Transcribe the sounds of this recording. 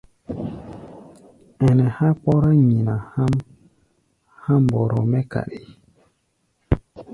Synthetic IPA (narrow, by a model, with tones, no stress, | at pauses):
ɛ˨nɛ˨ha˦k͡pɔ˦ɾa˦ɲi˨na˨ha˦m | ha˦mbɔ˨ɾɔ̰˨mɛ˦ka̰˨ɾe˨